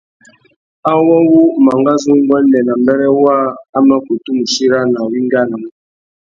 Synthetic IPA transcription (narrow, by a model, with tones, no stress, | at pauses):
a˦wɔ˦wu˦ma˨ŋɡa˦zu˦ŋ˦ɡɔ˦ndɛ˨na˨mbɛ˦ɾɛ˦wa˦a˦ma˦ku˨tu˦mu˨ʃi˦ɾa˦na˨wi˦ŋ˦ɡa˦na˨